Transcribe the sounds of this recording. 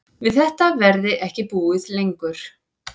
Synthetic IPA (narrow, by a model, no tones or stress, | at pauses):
vɪðθɛht̪avɛɾðɪʔɛhcɪpuːɪðlejŋkʏɾ̥